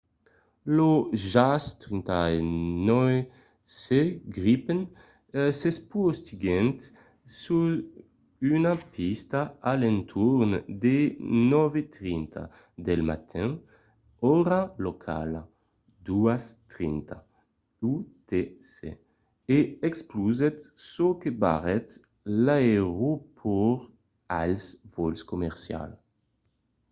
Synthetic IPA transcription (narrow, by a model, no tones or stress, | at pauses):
loʒast̪ɾint̪aenɔ | seɡɾipen | sespost̪iɡɛnt̪ | su | ynapʰist̪aalẽnt̪ʰuɾnd̪enɔvet̪ɾint̪ʰa̰ | d̪elma̰t̪ʰɛ̃ | ɔɾalokʰa̰la | d̪uast̪ɾint̪ʰa | ut̪esḛ | eɛkspluzɛt̪sokeba̰ʁɛt̪ | laeʁupʰɔɾ | alsvolskomɛʁsja̰l